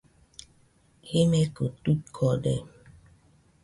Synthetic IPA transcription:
hemekotut̚kʰɔdḛ

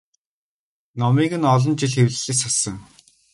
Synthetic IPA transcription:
nɔmiːɣɘ̆nɔɮɞ̆nt͡ɕiɮxewɮɘ̆ɮɘ̆ksasə̆ŋ

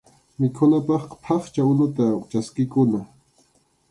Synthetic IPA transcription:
mɪkʰʊnapɑχqɑ̥pʰɑχt͡ʃaʊnʊt̪at͡ʃaskɪkʊna

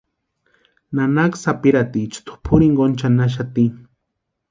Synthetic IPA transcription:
nanaksapiɾat̪it͡ʃt̪ʰʊ̥pʰʊɾiŋɡont͡ʃanaʃ̬at̪i

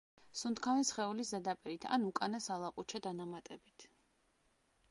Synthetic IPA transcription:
sunt̪kʰavɛnsχɛuliszɛd̪apʼɛɾit̪ʰa̰nukʼanasalˠaqʼut͡ʃʰad̪anamat̪ʼɛbit̪ʰ

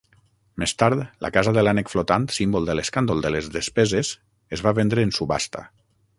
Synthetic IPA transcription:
mest̪aɾt̪lʔa̰kazaðəlanekflot̪ant̪simbolˠd̪əleskand̪olˠd̪əlezðespezez | ezβaβend̪ɾəːnsuβa̰st̪a̰

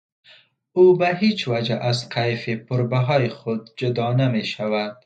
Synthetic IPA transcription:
ubaɦet͡ʃwad͡ʒaʔazqʰajfipʊɾbaɦɔjixʊd̪̚d͡ʒʊd̪ɑnameʃawad̪

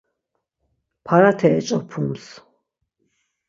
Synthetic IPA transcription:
pʰaɾat̪ʰɛːt͡ʃʼɔpʰums

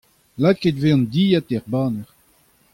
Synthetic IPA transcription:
laket̪veɑ̃nd̪iːjat̪ɛʁbaːnɛʁ

